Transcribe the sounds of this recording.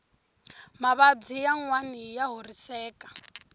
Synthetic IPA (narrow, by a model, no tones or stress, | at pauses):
maβab͡ʐijaŋwanijaɦurisɛːkʼḁ